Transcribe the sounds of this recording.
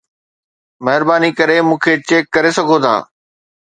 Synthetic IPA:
mɐɦɪɾbaːnikɐɾemũːkʰet͡ɕeːkːɐɾesɐɡʱot̪ʰa̰ː

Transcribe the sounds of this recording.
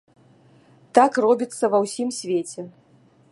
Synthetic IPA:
t̪akrɔbʲit̪sːɐvɐwsʲimsʲvʲet͡sʲɛ

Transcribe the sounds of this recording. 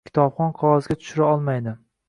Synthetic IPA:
kʲʰɪ̥t̪ʰɒpχɒnqʰɒwɒzɡʲat̪ʰʊ̥ʃʊɾaɒlˠmajd̪ɪ

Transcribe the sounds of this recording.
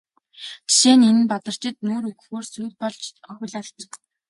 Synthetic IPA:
t̪ʰi̥ʃeːnen̆npat̪ə̆r̥t͡ɕɪ̆t̪̚noːɾɵɣxoːrsujt̚pɔɮt͡ɕɔxʲɪ̆ɮaɮt͡ɕ

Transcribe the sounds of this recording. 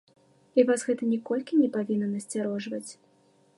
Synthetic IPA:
ivasɣɛt̪ɐnʲɛkɔlʲkʲinʲɛpavʲinːɐnɐsʲt͡sʲaɾɔʐvɐt͡sʲ

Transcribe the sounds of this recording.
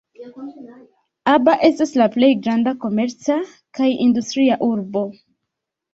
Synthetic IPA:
abaʔe̞staslaple̞jɡɾandako̞me̞ɾt͡sa | kajindustɾiaʔuɾbo̞

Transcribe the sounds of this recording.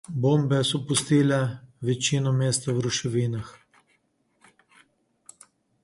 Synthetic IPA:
bombɛsɔpust̪iːlɛʋɛt͡ʃiːnɔmeːst̪awɾuʃɛʋiːnax

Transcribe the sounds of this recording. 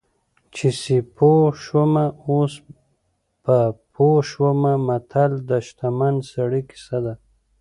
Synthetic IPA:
t͡ʃisipʰoʃwəmaos | papʰoʃwəmamat̪ʰald̪əʃt̪amansaɽiki̥sad̪a

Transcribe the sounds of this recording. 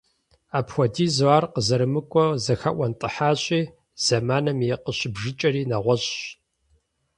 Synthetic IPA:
aːpxʷɔdiːzaːrqəzɐɾɨmɨkʷʼɔzɐxɐʔʷɐntʼɨħaːɕʼiː | z̥ɐmaːnɐmjɛqəɕɪbʒɪt͡ʃʼɐriːnɐʁʷɔɕʼɕ

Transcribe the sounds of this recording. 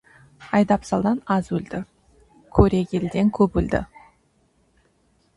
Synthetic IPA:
ɑjd̪ɑpsɑlˠd̪ɑnɑzwɵld̪̥ɪ | kʲʰɵɾe̞ɡʲe̞ld̪eŋkʲʰɵbɵld̪ɪ̰

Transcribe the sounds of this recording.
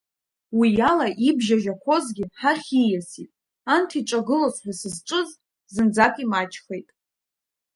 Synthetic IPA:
wijalaʔibʒaʒakʷʰo̞zɡʲiħaχʲijasitʼ | antʰiʈ͡ʂʷʼaɡɨlosħasɨzʈ͡ʂʷʼɨz | zɨnd͡zakʷʼimat͡ʃʼχe̞jtʼ

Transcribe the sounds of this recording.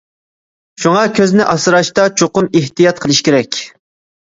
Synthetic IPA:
ʃuŋɑkʲʰøznɪʔɑsɨɾɑʃt̪ɑt͡ʃʰoqʊmeht̪ijɑt̪̚qʰəlˠɨʃkʲeɾɛkʲ

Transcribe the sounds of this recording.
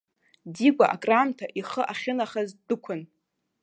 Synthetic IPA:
diɡʷaʔa̰kʼramtʰaʔiχəʔaχʲɪnaχazdɨkʷʰʊn

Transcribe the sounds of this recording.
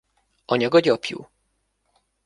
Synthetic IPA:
ɒɲɒɡɒɟɒpjṵ

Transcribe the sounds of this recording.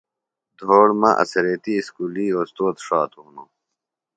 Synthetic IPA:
d̪ʱoːɽmã̰ʔɐ̰seɾeːt̪iskuːliːoːst̪oːt̪ʂaːt̪uːno

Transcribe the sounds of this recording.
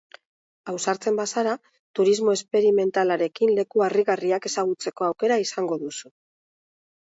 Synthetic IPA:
awsaɾt͡se̞mbasaɾa | t̪uɾizmo̞e̞spe̞ɾime̞nt̪alaɾe̞kinle̞kuariɣariake̞saɣ̞ut͡se̞ko̞awke̞ɾaisaŋɡo̞ðusu

